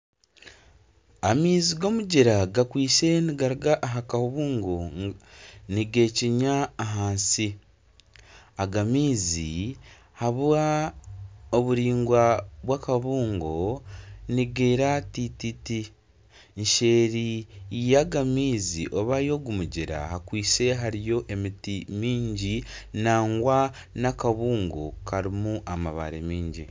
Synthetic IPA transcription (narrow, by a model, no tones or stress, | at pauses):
amiːziɡo̞muɟiɾaɡakwiːse̞niɡaɾuɡaʔːɦakahuβuːŋɡo | niɡe̞ːciɲaːɦaːnsi | aɡamiːzḭ | haβwa | oβuɾiːŋɡwaβwaːkaβuːŋɡo̞niɡeːɾatititi | nʃe̞ːɾijaɡamiːzḭʔo̞βajo̞ɡumuɟiɾa̰hakwiːse̞ɦaɾijo̞ʔe̞mitimiːɲɟinaːŋɡwa | nakaβuːŋɡo̞̰kaɾimuʔama̰βa̰ɾemiːɲɟi